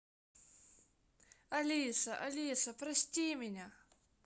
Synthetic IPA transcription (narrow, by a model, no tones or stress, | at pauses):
ɐlʲisɐʔɐlʲisɐpɾɐsʲtʲimʲɪnʲa